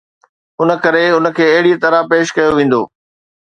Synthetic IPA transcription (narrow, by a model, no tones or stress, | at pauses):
ʊnə̆kɐɾeʊnə̆kʰeːɐɦɪɽit̪ɐɾapeːʃkɐjoʋẽːn̆d̪o̰ː